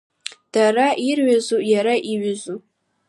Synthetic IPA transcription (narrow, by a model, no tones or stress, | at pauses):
d̥araʔirɥazujaɾaʔiɥɪzu